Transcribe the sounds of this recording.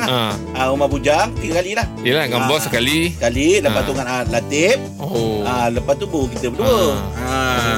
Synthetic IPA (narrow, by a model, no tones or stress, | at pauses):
laaʔaumabud͡ʒaŋt̪iɡakalilahijəlaɡambɔsəkalisəkaliləpat̪uŋanat̪̚lat̪ɪp̚ | oaləpat̪ubukit̪əbəduəa